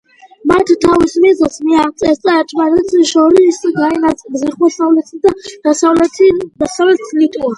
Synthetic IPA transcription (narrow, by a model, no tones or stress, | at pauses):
mat̪ʰt̪ʰavismɛzɛlsmiat̪sʼɛst̪ʼaat͡ʃʼvaɾɛt̪sʰiʃɔɾiisaɡaɛnasʼbzɛχwɛsavlɛt̪ʰid̪ad̥̪asavlɛd̪asavlɛt̪slit̪ʼua